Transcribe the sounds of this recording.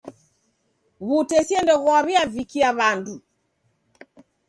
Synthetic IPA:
βutɛsiɛndɔɣɔβiavikiaβandu

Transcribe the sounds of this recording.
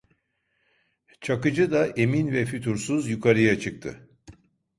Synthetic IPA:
t͡ʃʰakɯd͡ʒɯd̪aʔe̞minvɛfyt̪ʰuɾsuzjukʰaɾɯjat͡ʃʰɯk̚t̪ʰɯ̰

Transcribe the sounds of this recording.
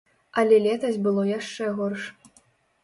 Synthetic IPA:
ɐlʲɛlʲɛt̪ɐzʲbɨlˠɔjaʂt͡ʂɛɣɔrʂɐ̥

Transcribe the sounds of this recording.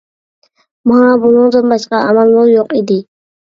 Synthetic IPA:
mɑbunɨŋd̪ɨnbɑʃqɑʔæmælˠːʊɾjoqid̪ɪ

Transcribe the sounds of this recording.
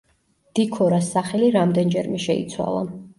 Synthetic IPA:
d̪̥ikʰɔɾasːaχɛliɾamd̪ɛnd͡ʒɛɾmɛʃɛḭt̪sʰwa̰lˠa̰

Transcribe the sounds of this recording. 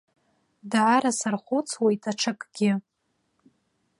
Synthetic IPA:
daʕaɾasarχʷut͡sʰwajtʰaʈ͡ʂʰakʼɡ̥ʲɪ

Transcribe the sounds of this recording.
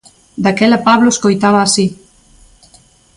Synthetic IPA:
d̪akɛlɐpaβloeskojt̪aβɐːsi

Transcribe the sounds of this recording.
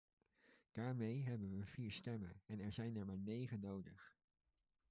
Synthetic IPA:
d̥aːɹmejɦɛbənʋəv̥iːɹstɛmə̰nɛnɛɹzɛjnɛɹmaːɹnejχənowdəχ

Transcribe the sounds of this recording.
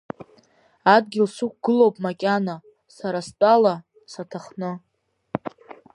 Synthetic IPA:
ad̚ɡʲɪlsuk̚ʷʰɡ̥ɨlowpʼmakʲʼana | saɾastʼala | satʰaχnɨ

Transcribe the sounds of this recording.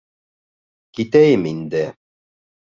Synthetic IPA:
kit̪æjɘmind̪ɘ

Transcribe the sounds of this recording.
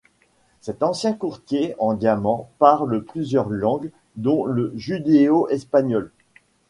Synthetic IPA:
sɛt̪ɑ̃sjɛ̃kuʁt̪jeɑ̃d̪jamɑ̃paʁləplyzjœʁlɑ̃ɡ | d̪ɔ̃ləʒyd̪eoʔɛspaɲɔl

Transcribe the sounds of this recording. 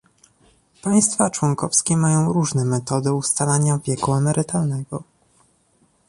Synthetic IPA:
paj̃st̪fat͡ʂwɔŋkɔfskʲɛmajɔ̃w̃ɾuʐnɛmɛt̪ɔd̪ɛust̪alaɲavʲjɛkuɛmɛɾɘt̪alnɛɡɔ

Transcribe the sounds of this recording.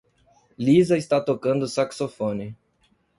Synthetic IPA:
lizɐɪst̪at̪okɐ̃nd̪ʊsaksofõnɪ

